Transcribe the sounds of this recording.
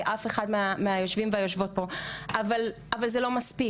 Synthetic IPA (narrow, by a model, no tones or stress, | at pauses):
ʔafeχadmeameajo̞ʃvimveajo̞ʃvo̞t̚bo̞aval | avalzelo̞maspi